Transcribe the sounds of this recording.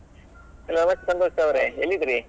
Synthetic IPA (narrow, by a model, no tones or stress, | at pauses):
ɦɛlːonɐmɐst̪esɐnt̪oʂɐʋɾeelːid̪ɾi